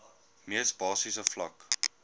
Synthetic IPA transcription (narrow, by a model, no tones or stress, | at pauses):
miəsbɑːsisəflɐk